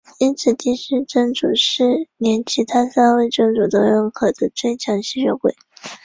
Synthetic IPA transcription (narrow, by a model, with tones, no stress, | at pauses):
i˥nt͡sʰɹ̩˨˩t̪i˥ɕy˥ʈ͡ʂɤ˥ŋʈ͡ʂu˨˩ʂɻ̩˥˩njɛ˧˥nt͡ɕʰi˧˥t̪ʰa˥sa˥nwe˥˩ɪʈ͡ʂɤ˥˩ŋʈ͡ʂu˨˩t̪ə˧˥ɻə˥˩nkʰɤ˨˩d̪ə˦t͡swe˥˩ɪt͡ɕʰjɑ˧˥ŋɕi˥ɕɥɛ˧˥kwe˨˩˦ɪ